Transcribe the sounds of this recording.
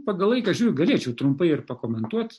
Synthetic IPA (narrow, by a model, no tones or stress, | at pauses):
pɑːɡɐlˠʋɐɪkɐʒʲuɡɐlʲeːt͡ʃʲɛʊt̪ɾʊmpɐɪɪrpɐkoːmʲɛnt̪uɔt̪